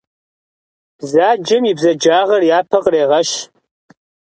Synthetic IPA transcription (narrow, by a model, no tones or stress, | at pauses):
b̥zaːd͡ʒɪmibzɐd͡ʒaːʁɐrjaːpʰɐqʼreːʁɐʃ